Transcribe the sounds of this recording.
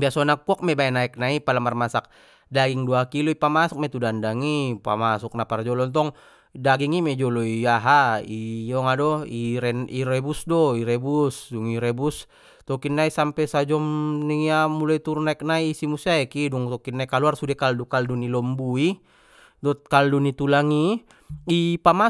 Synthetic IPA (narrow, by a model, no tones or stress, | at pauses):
biasɔnakːɔk̚mɛbaɛnaɛk̚naipalamarmasak̚ | daɡiŋduakilɔipamasɔk̚mɛt̪udandaŋipa̰masuk̚napard͡ʒɔlɔnt̪ɔŋ | daɡiŋimɛd͡ʒɔlɔiaɦaiɔŋadɔiɾɛniɾɛbusdɔiɾɛbusduŋiɾɛbus | t̪ɔkinːaisampɛsad͡ʒɔmniamulait̪uɾunaik̚naisimusaɛkiduŋt̪ɔkinːaikaluarsudɛkaldukaldunilɔmbui | dɔt̪̚kaldunit̪ulaŋi | ipama